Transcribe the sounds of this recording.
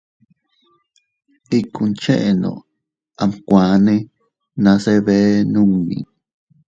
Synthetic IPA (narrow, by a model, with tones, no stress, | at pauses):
i˦ku˧nt͡ʃe˦ʔe˨nõ̰˨ | a˧mkʷã˨˦nẽ˦ | nã˧˦se˦βe˦nũ˦mḭ̃˨